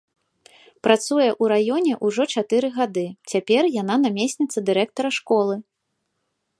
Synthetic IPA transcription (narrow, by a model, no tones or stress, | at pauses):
pɾat̪sujɛʔuɾajɔnʲɛʔuʐɔt͡ʂat̪ɨɾɨɣad̪ɨt͡sʲapʲɛrjan̪anamʲesʲnʲit̪sːɐd̪ɨɾɛk̚t̪ɐɾɐʂkɔlˠɨ